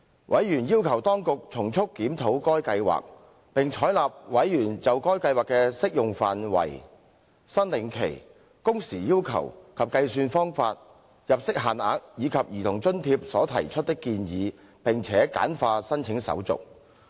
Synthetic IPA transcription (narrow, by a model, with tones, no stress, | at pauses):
wʔɐ˨˥jjyː˨˩njiː˥wkʰɐ˨˩wt̪ɔː˥ŋkʊ˨k̚t͡sʰʊ˨˩ŋt͡sʰʊ˥kːiː˨˥mt̪ʰo˨˥wkɔː˥jkɐ˧jwa̰ː˨k̚ | pɪ˨ŋt͡ʃʰɔː˨˥jlaː˨p̚wɐ˨˥jjyː˨˩nt͡sɐ˨wkɔː˥jkɐ˧jwaː˨˩kːɛː˧sɪ˥k̚jʊ˨ŋfa̰ː˨nwɐ̰˨˩j | sɐ˥nlɪ˨˥ŋkʰḛ˨˩j | kʊ˥ŋsiː˨˩jiː˥wkʰɐ̰˨˩wkʰɐ˨p̚kɐ˧jsyː˧nfɔː˥ŋfaː˧t̚ | jɐ˨p̚sɪ˥k̚ɦaː˨na̰ː˨k̚jiː˨˧kʰɐ˨p̚jiː˨t̪ʰʊ˨˩ŋt͡ʃɵ˥nt̪ʰiː˧p̚sɔ̰ː˨˥t̪ʰɐ̰˨˩jt͡ʃʰɵ˥t̚t̪ɪ˥kːiː˧njiː˨˧ | pɪ˨ŋt͡sʰɛː˨˥ka̰ː˨˥nfaː˧sɐ˥nt͡ʃʰɪ˨˥ŋsɐ̰˨˥wt͡sʊ̰˨k̚